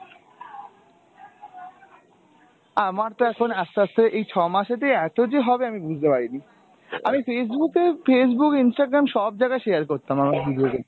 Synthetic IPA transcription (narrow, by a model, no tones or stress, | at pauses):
amaɾt̪oɛkʰonɛst̪ast̪ʰeʔejt͡ɕʰɔmaʃet̪eɛt̪od͡ʑeɦɔbeamibud͡ʑʱt̪epaɾini | amifes̬bukefes̬bukinsʈaɡɾamʃɔb̚d͡ʑaɡaeʃeaɾkoɾt̪amamaɾbud̪ʱioɡe